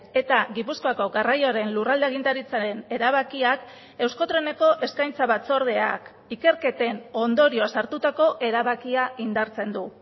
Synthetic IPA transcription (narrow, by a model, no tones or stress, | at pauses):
e̞t̪aɣipusko̞ako̞ɡarajoaɾe̞nlurald̪eaɣ̞int̪aɾit͡saɾe̞ne̞ɾaβ̞akiak | e̞wsko̞t̪ɾe̞ne̞ko̞ʔe̞skajnt͡saβat͡so̞ɾð̞e̞a̰k | ike̞ɾke̞t̪e̞no̞nd̪o̞ɾio̞asaɾt̪ut̪ako̞ʔe̞ɾaβakiaind̪aɾt͡se̞nd̪u